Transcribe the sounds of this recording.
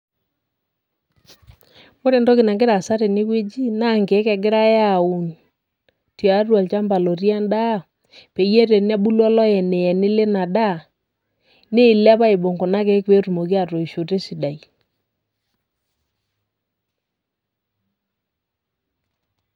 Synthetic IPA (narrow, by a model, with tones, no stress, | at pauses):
ko˦ɾe˨ndɔ˦kɪ˨na˨ŋɡɪ˦ɾa˨sa˦ɾe˨nɪ˦kwe˦d͡ʒi˦na˦˨ŋke˨˦kɛ˨ɡɪ˦ɾa˦ja˨u˨n | ti˨a˨˦rwa˨lt͡ʃa˦mba˨lo˨ɾja˦nda˦˨ | pe˨je˦te˨n˦a˦bu˦lwɔ˦lɔ˦jɛ˨ne˨ɛ˨nɪ˦le˦na˨da˦˨ | ne˦˨lɛ˦pa˦ɪ˨bo˨ŋɡo˨na˦ke˨˦kwe˦ɾu˨mo˨ki˦a˨to˨i˨ʃo˨te˦si˨da˨i˨